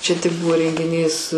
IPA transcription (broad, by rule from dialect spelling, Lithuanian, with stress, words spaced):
ˈt͡ʃʲɛ tʲɪk ˈbʊʋoː rʲɛŋʲɡʲɪˈnʲiːs